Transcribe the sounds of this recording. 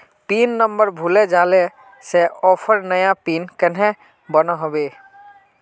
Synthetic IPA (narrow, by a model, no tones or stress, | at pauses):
piːnːəmbəɾbʱuled͡ʒale | seɔːpʰəɾnəjapiːnkənɦe | bənəɦobeː